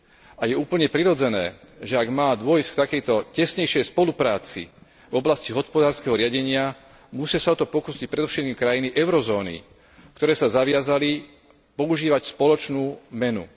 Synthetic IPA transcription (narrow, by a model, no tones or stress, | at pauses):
ajɛuːpl̩ɲɛpɾiɾɔd͡zɛnɛ̰ːʒɛaɡmaːd̪ʊɔjskt̪akɛjt̪ɔcɛsɲɛjʃɪɛjspɔlupɾaːt͡sḭ | vɔblasciɦɔspɔd̪aːɾskɛɦɔɾɪaɟɛɲɪa | musɪasaɔt̪ɔpɔkuːsic̚pɾɛd̪ɔfʃɛt̪̚kiːmkɾajiniʔɛʊɾɔzɔːnḭ | kt̪ɔɾɛːsazaʋɪazali | pɔuʒiːʋacspɔlɔt͡ʃnuːmɛnṵ